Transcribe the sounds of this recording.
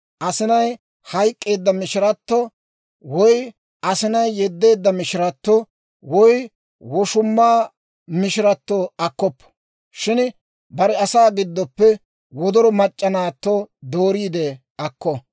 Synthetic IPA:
ʔɐsɪnɐj | hɐjkʼːe̞ːd̪ːɐmɪʃɪɾɐt̪ːɔ | wɔj | ɐsɪnɐjːɛd̪ːe̞ːd̪ːɐmɪʃɪɾɐt̪ːɔ | wɔj | wɔʃʊmːaː | mɪʃɪɾɐt̪ːoɐkːɔpːɔ̥ | ʃɪn | bɐɾɛɐsaːɡɪd̪ːɔpːɛ | wɔd̪ɔɾɔmɐt͡ʃʼːɐnaːt̪ːɔd̪o̞ːɾiːd̪ɛ | ɐkːɔ

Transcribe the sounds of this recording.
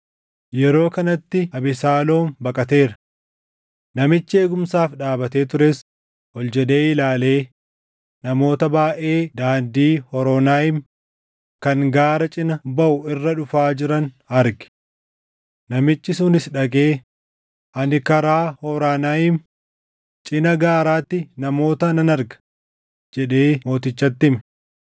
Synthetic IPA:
jɛɾo̞ːkɐnɐt̪ːɪɐbɪsaːlo̞ːmbɐkʼɐt̪e̞ːɾɐ̥ | nɐmɪt͡ʃːɪe̞ːɡʊmsaːfɗaːbɐt̪e̞ːt̪ʊɾes | hɔld͡ʒɛd̪e̞ːɪlaːle̞ː | nɐmo̞ːt̪ɐbaːʔe̞ːd̪aːnd̪iːhɔɾoːnaːjɪm | kɐŋɡaːɾɐt͡ʃʼɪnɐbɐʔʊɪrːɐᶑʊfaːd͡ʒɪɾɐn | ɐɾɡɪ̥ | nɐmɪt͡ʃːɪsʊnɪsᶑɐkʼe̞ː | ʔɐnɪkɐɾaːhɔːɾaːnaːjɪm | t͡ʃʼɪnɐɡaːɾaːt̪ːɪnɐmo̞ːt̪ɐnɐnɐɾɡɐ̥ | d͡ʒɛᶑe̞ːmo̞ːt̪ɪt͡ʃːɐt̪ːɪmɛ̥

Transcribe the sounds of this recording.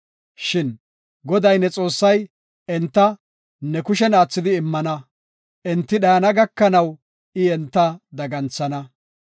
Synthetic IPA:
ʃɪn | ɡɔd̪ɐjnɛt͡sʼo̞ːsːɐj | ɛnt̪ːɐ | nɛkʊʃ̬ɛnaːt͡sːɪd̪ɪːmːɐnɐ | ʔɛnt̪ːɪɗɐjɐnɐɡɐkːɐnɐw | ɪɛnt̪ːɐd̪ɐɡɐnt͡sːɐnɐ

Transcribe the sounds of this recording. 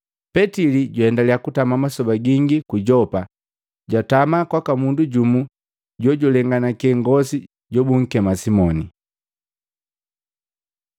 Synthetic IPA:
pɛtiliɟuhɛndaliakutamamasɔbaɡiŋɡikuɟɔpa | ɟwatamakwakamunduɟumu | ɟɔɟulɛŋɡanakɛŋɡɔsi | ɟɔbuŋ̩kɛmasimɔni

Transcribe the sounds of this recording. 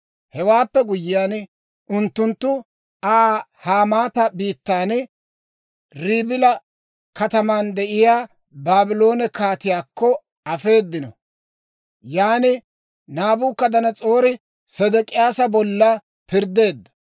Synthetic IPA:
hɛwaːpːɛɡʊjɪjaːn | ʔʊnt̪ːʊnt̪ːʊ | aːhaːmaːt̪ɐbiːt̪ːaːn | ɾiːbɪlɐ | kɐt̪ɐmaːnd̪ɛʔɪjaː | baːbɪlo̞ːnɛkaːt̪ɪjaːkːɔ | ɐfe̞ːd̪ːɪnɔ̰ | jaːnɪ | naːbuːkːɐd̪ɐnɐt͡sʼo̞ːɾɪ | sɛd̪ɛkʼɪjaːsɐbɔlːɐ | pɪɾd̪e̞ːd̪ːɐ̥

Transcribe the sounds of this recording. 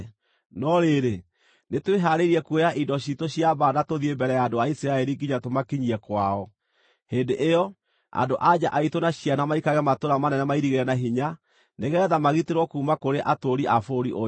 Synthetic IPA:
nɔɾeɾe | netweɦaɾeɾiɛkwejaʔidɔɕitoɕjabaːnatoðiembɛɾɛjaːndoaisiɾaɛɾiɡiɲatomakiɲiɛkwaɔ | heːndeʔejɔ | a̰ndoʔad͡ʑaʔaitonaɕianamaikaɣɛmatoɾamanɛnɛmaiɾiɣeɾɛnaɦiɲa | neɣɛðamaɣiteɾwɔkuːmakoɾeʔatoɾiʔafoɾḭʔo

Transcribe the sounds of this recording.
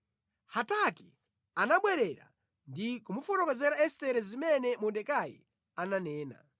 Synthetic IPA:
hataki | anaɓwɛɾɛɾa̰ | ndikumufɔtɔkɔzɛɾaɛstɛɾɛzimɛnɛmundɛkajḭ | ananɛːna̰

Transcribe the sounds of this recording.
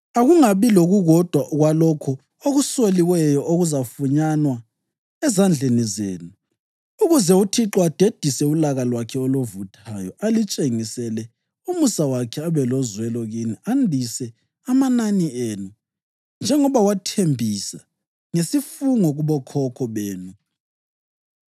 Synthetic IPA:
aɣuŋaβiloɣuɣɔd̥ʱwaʔɣwalɔkʰɔ | oɣusoliwɛjɔʔoɣuzafuɲanwa | ɛzand͡ɮʱenizeːnu | uɣuzɛutʰiǁɔad̥ʱed̥ʱisɛulaɣalwakʰɛolovutʰajɔʔalit͡ʃʼeŋisɛlɛ | umusawakʰɛaβɛlɔzwɛlɔɣiniʔandʱisɛ | amananieːnu | nd͡ʒʱɛŋɔβawatʰembʱisa | ŋesifuŋɔɣuβɔkʰɔkʰɔβeːnu

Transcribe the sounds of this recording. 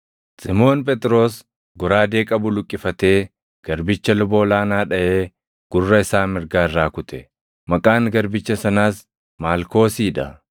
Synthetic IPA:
sɪmo̞ːnp̬ʼɛt̪ʼɾo̞ːs | ɡʊɾaːd̪e̞ːkʼɐbʊlʊkʼːɪfɐt̪e̞ː | ɡ̥ɐɾbɪt͡ʃːɐlʊbo̞ːlaːnaːᶑɐʔe̞ː | ɡ̥ʊrːɐɪsaːmɪɾɡaːɪrːaːkʊt̪ɛ | mɐkʼaːŋɡɐɾbɪt͡ʃːɐsɐnaːs | maːlko̞ːsiːᶑɐ

